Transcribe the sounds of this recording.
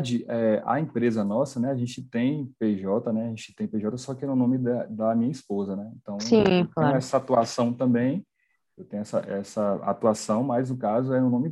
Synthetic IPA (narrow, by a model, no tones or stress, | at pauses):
d͡ʒɪʔɛʔɐ̰ẽpɾezɐnɔsɐnɛaʒẽnt͡ʃɪt̪ẽj̃peʒɔt̪ɐnɛaʒẽnt͡ʃɪ̥t̪ẽj̃peʒɔt̪ɐsɔkɪɛʊnõmɪd̪ɐd̪ɐmĩɲɐispozɐnɛẽt̪ɐ̃w̃sĩɛsɐat̪uasɐ̃w̃t̪ɐ̃mbẽj̃ | ewt̪ẽj̃ɛsɐ̰ʔɛsɐa̰t̪uasɐ̃w̃mɐznʊkazʊɛʊnõmɪ